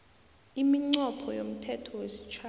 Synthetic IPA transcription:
imiŋ͡ǀɔpʰɔjom̩tʰɛtʰɔwesi̥t͡ʃʰa

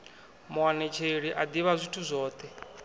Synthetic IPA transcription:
mwanɛt͡ʃʰeɺiʔad̪iβazʷitʰuzʷɔːt̪ʰʼɛ

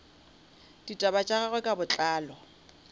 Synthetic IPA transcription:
d̥itʼabat͡ʃʼaɣaɣwɛkʼabʊt͡ɬʼaːlɔ

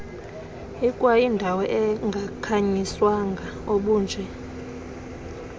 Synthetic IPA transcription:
ikʼwajindʱawɔʔɛŋɡʱakʰaɲiswaŋɡʱaoɓuːnd͡ʒʱɛ

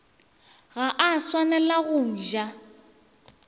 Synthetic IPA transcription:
ɣaʔaswanɛlaɣʊn̩ʒa

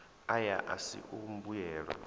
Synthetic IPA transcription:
ajaʔasḭʔum̩bujɛːɺa̰

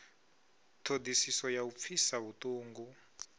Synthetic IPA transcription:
tʰodisisɔjaup̪fʰisaβutuːŋɡu

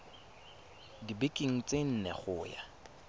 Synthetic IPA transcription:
dibekʼiŋ̩t͡sʼen̩nɛ̰χʊːja̰

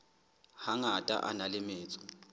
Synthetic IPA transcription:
haŋatʼa̰ʔa̰nalɪmɪːt͡sʼɔ̥

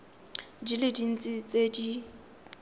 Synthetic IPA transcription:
diledin̩t͡sʼɪt͡sʼedi

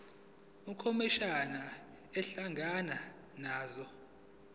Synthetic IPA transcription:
ukʰomiʃana | ɛɬaŋɡʱana | naːzɔ

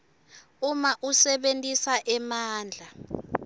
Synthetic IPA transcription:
umaʔusɛɓentʼisaʔɛmaːnd͡ɮʱa

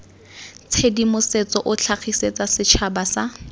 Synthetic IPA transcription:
t͡sʰedimʊset͡sɔʔʊt͡ɬʰaχʰiset͡sasɪt͡ʃʰabasa

